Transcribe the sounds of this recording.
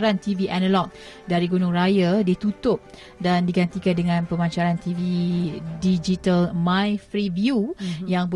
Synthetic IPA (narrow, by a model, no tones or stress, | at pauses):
ɾant̪iviʔanəlɔk̚ | daɾiɡunʊŋɾajadit̪ut̪ʊp̚ | dandiɡant̪ikandəŋãnpəmaɲt͡ʃaɾant̪ividid͡ʒit̪əlmãjfɾivjujaŋb